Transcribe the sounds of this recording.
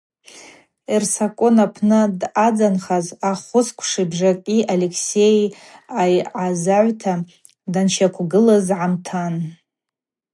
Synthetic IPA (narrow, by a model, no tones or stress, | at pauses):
irsakʷʼonapʰnɨdad͡zanχazaχʷʊskʷʰʂibʐakʲʼiʔalekʰsej | ajʕazaʕʷtʰa | danʃakʷʰɡɨlazʕamtʰan